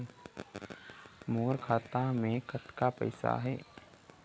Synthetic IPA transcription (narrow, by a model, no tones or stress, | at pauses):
moːɾkʰaːt̪amẽkət̪kapə̰ɪsa̰ɦɛː